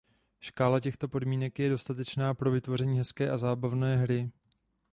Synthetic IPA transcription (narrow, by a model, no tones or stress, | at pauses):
ʃkaːlacɛxt̪o̞po̞dmiːnɛkjɛdo̞st̪at̪ɛt͡ʃnaːpɾo̞vɪt̪vo̞r̝ɛɲiːɦɛskɛːʔazaːbavnɛːɦɾɪ